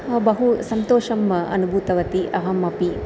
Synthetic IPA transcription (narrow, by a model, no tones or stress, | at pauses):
bɐɦusɐnt̪oːʃɐmɐ̰nubʱuːt̪ɐʋɐt̪iʔɐɦɐmɐpi